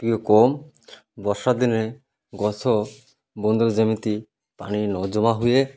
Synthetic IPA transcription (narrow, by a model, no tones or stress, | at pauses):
piokɔm | bɔʃad̪ine | ɡɔt̪ʰo | bond̪old͡ʑemit̪i | pa̰ninɔd͡ʑɔmaɦuje